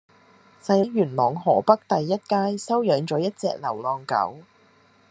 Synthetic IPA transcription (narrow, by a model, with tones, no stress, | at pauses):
sɐ˧jɐ˨˥ɥyː˨˩nmɔː˨ŋhɔː˨˩pɐ˥k̚t̪ɐ˨jːɐ˥t̚kaː˥jsɐ˥wjœː˨˥ŋt͡ʃɔː˨˥jɐ˥t̚t͡sɛ̰ː˧k̚lɐ˨˩wlɔː˨˧ŋkɐ̰˨˥w